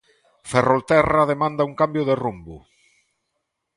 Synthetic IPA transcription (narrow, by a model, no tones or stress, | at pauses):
ferolt̪ɛraðemãnd̪auŋkambjoðerumbṵ